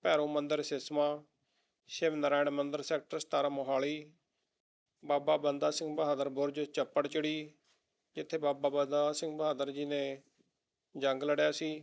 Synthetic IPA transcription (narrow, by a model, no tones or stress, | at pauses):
pɛːɾõːmənd̪əɾsɪsmaː | ʃɪʋnəɾaːɳmənd̪əɾsɛːk̚ʈəɾst̪aːɾaːmoɦaːliː | baːbaːbənd̪aːsɪ̃ŋɡbəɦaːd̪əɾbʊɾd͡ʒət͡ʃəpːəɽt͡ʃəɽiː | d͡ʒɪt̪ʰːeːbaːbaːbəd̪aːsɪ̃ŋɡbəɦaːd̪əɾd͡ʒiːnẽː | d͡ʒəŋɡləɽjaːsiː